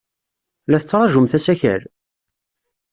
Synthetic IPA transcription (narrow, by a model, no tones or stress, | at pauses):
læθət͡sːɾˤɑʒumθæsæçə̰ɾ